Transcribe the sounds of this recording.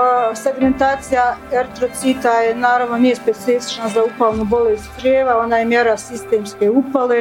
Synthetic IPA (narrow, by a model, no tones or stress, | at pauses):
seɡment̪aːt̪sijaeɾt̪ɾot̪sit̪ajenaːɾaʋno̞nijespe̞t̪sifi̥t͡ʃnazaupalˠnubo̞lest̪zɾjeːʋao̞naːjemje̞ɾasist̪e̞ːmske̞upale